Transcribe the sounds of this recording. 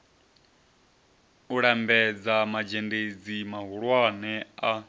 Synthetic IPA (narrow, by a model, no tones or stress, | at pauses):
uɺambɛd͡zamad͡ʒended͡zimaɦuɺwanɛa